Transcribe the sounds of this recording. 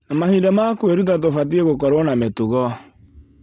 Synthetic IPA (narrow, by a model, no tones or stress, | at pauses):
amahidɛmakoeɾutat̬ofat̬ieɣokɔɾwɔnametuɣɔ